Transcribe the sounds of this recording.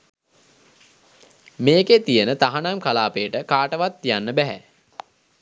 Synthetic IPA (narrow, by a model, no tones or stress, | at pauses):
meːket̪ijənət̪aɦanaŋkalaːpejːʈəkaːʈəʋat̪ːijanːəbæɦæ̰